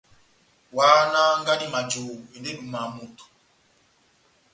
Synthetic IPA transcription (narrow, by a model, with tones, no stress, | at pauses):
waː˦na˦ŋɡa˦ni˦ma˨d͡ʒoː˨u˨ɛ˨nde˦ɗu˨ma˨mu˨tu̥˨